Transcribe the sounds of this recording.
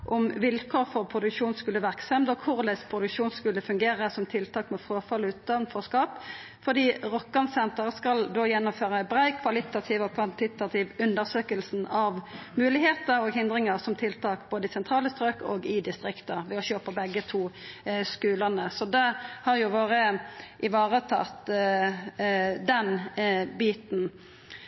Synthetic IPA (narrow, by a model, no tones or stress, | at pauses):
ʔɔmʋɪlkʰoːʁfɔʁpʰʁʊd̪ʉkʂuːnskʉlːəʋæʁksɛmd̪ɔkʰʊʁlɛspʰʁʊd̪ʉkʂuːnskʉlːəfʉŋɡeːʁəsɔmt̪ʰɪlt̪ʰɑːkmɛfɾoːfɑlʉːt̪ɑnfɔʁskɑːp | fɔd̪iːʁɔkːɑnsɛnt̪əʁskɑld̪oːjɛnːɔmføːʁəbʁæɪkʰʋɑlɪt̪ɑt̪ʰiːʋɔkʰʋɑnt̪ɪt̪ɑt̪ʰɪːʋʉnd̪əsøːkəlsn̩ɑʋmʉːlɪheːt̪əɾɔɡɦɪnd̪ɾɪŋəʁsɔmt̪ʰɪlt̪ʰɑːkboːd̪əɪsɛnt̪ʁɑːləst̪ʁøːkoːɡɪd̪ɪst̪ʁɪkt̪əʁʋɛɔçøːpəbɛɡːət̪ʰuːskʉːlənəsɔd̪ɛhɑɾjʊʋoːɾəʔɪʋɑːʁət̪ʰɑ̰t̪ | d̪ɛnbiːt̪n̩